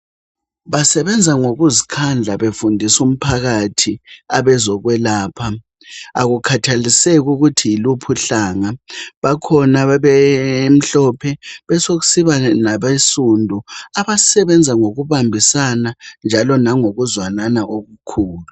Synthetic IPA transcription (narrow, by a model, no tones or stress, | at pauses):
βasɛβɛnd͡zʱaŋoɣuzikʰand͡ɮʱaβefundʱisum̩pʰaɣatʰiaβɛzɔɣwɛlaːpʰa | a̰ɣukʰatʰalisɛɣuɣutʰiilupʰuɬaːŋaβakʰɔnaβɛm̩ɬɔpʰɛβɛsoɣu̥siβanaβesundʱuaβasɛβɛnd͡zʱaŋoɣuβambʱisanand͡ʒʱalɔnaŋoɣuzwananaʔoɣukʰuːlu